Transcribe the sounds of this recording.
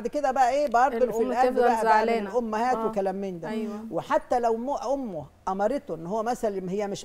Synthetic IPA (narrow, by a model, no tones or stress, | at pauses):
d̪ked̪æbæʔæʔeːbʔɑɾˤbelfiʔælbbæʔæaʕleːʔomːæhæːt̪wekælæːmiːnd̪æweħat̪ːælæwmoʔomːo | ʔɑmɑɾˤet̪oʔenːhowːæmæsælænhejːæmeʃ